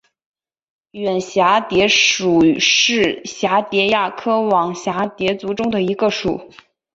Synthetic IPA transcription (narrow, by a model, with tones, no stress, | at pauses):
ɥɛ˨˩nɕja˧˥t̪jɛ˧˥ʂu˨˩ʂɻ̩˥˩ɕja˧˥t̪jɛ˧˥ja˥˩kʰɤ˥wɑ˨˩ŋɕja˧˥t̪jɛ˧˥t͡su˧˥ʈ͡ʂʊ˥ŋd̪ə˨i˧˥ɡə˧ʂu˨˩˦